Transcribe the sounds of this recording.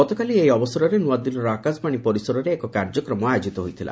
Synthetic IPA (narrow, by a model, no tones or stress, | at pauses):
ɔt̪okaliejɔbɔsɔɾɔɾenuad̪ilɔɾɔakaspaɽ̃ipɔɾisɔɾɔɾeːkɔkaɾd͡ʒɔkɾɔmɔajod͡ʒit̪ɔɦojt̪ʰilʔa̰